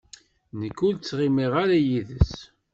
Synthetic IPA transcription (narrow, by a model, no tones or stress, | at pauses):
nəkːult͡sːʁimiʁaɾajiðəs